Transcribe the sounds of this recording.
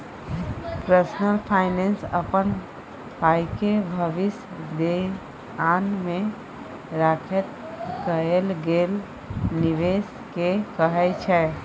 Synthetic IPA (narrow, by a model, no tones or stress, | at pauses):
pɾəsnəlpʰaɪnensəpən | pajkebʱəʋɪs | d̪e | anmẽ | ɾakʰɛt̪ | kəelɡel | niʋes | kekəɦɛt͡ʃʰɛ